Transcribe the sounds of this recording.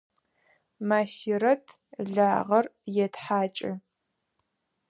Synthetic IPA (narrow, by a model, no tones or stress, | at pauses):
maːsiɾɐtʰ | ɮaːʁɐrjɛtħaːt͡ʃʼɪ